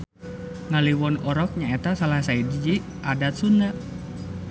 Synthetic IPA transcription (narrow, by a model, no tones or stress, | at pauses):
ŋaliwɔnɔɾɔk̚ɲaet̪asalahsaidid͡ʒi | ʔadat̪̚suna